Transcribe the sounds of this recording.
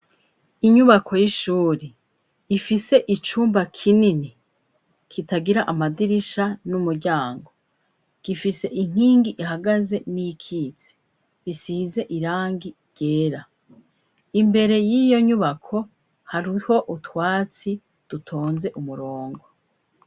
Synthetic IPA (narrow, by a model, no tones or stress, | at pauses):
iɲuβakʰo̞jiʃuːɾe | ifise̞ʔit͡ʃuːmbakʰinini | kʰitaɡiɾaʔamadiɾiʃanumuɾɟaːŋɡo | ɡ̥ifise̞ʔiŋ̥iːŋɡiʔiɦaɡaze̞nijikʰiːt͡se̥ | βisiːze̞ʔiɾaːŋɡi | ɟe̞ːɾa | imbe̞ɾe̞jijo̞ɲuβakʰo̞ | haɾiho̞ʔutwaːt͡si | d̥utʰo̞ːnze̞ʔumuɾoːŋɡo̞